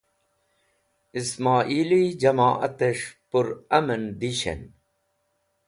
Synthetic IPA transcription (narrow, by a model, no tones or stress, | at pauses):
ismaːʔiːlid͡ʑɐmaːʔɐt̪eʂpuɾɐmɐnd̪iɕḛn